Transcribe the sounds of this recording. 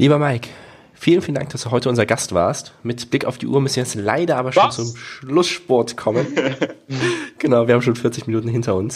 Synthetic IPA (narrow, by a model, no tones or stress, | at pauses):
lʔiːbɐmaɪk | fiːlən̩fiːləndaŋk̚d̥asd̥uːɦɔʏtəʊnzɐɡastv̥a̰ːɐstmɪtb̥lɪka̰ʊfd̥iːʔuːɐmʏsn̩jɛt͡sla̰ɪdɐʔaːbɐʃoːnnt͡sʊmʃlʊsʃpɔɐtkʰɔmən | ɡ̥ənaʊviɐhabm̩ʃ̬oːnfɪɐt͡sɪçminuːtn̩ɦɪntɐʊns